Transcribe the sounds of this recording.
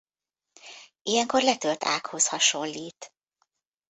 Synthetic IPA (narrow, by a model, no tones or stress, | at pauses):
ijɛŋkorlɛt̪ølt̪ʰa̰ːkho̞shɒʃo̞lːiːt̪